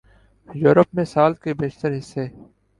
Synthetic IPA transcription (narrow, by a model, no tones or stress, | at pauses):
juːɾəpmẽsaːlkebeːʃt̪əɾɦɪsːeː